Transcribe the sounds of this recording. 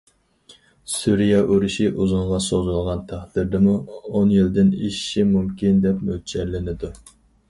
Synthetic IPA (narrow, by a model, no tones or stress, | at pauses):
suɾijɑʔoɾuʃiʔuzuɴʁɑsozulˠʁɑnt̪ʰæχd̪̥ɪɾd̪ɪmuonjild̪ɪnḭʃʃimumkʲind̪ɛpmøt͡ʃʰɛɾlɪnɪd̪u